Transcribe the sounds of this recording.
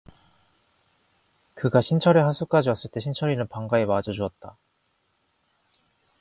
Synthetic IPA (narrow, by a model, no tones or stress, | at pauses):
kɯɡaɕʰint͡ɕʰʌɾeɦasʰuk͈ad͡ʑiʌs͈ɯɭt͈e̞ɕʰint͡ɕʰʌɾinɯnpaŋɡaemad͡ʑʌd͡ʑuʌt̚t͈a